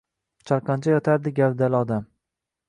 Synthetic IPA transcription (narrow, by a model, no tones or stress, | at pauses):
t͡ʃʰaɾqɑnt͡ʃʰajɒt̪ʰaɾd̪ɪɡʲapd̪alɪɒd̪am